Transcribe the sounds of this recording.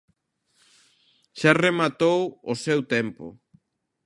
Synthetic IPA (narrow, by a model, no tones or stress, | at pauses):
ʃaremat̪owʊsewt̪ɛmpʊ̰